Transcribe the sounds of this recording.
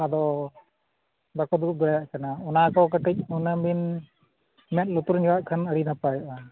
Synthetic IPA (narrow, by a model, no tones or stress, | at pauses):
ad̪ɔ | bakɔd̪uʔ̚d̪ɔjaaʔkanaɔnakɔk̬əʈic̚ɔnəbin | mɛt̪̚lut̪uɾɲɛwaʔkʰənəɽinapajɔʔa